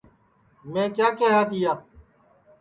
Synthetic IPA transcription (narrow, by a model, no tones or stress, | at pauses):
mẽːkjaːkeːɦaːd̪ɪjaː